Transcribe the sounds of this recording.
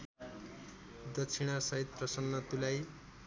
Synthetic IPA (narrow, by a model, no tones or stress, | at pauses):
d̪ʌt͡sʰiɽ̃asʌɦit̪̚prʌsʌnːʌt̪ulaj